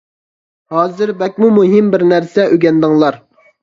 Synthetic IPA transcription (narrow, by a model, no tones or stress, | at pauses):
hɑːzɪɾbɛkʲmumuɦɪmbɪɾnæɾsɛʔøɡʲɛnd̪ɨŋlˠɑɾ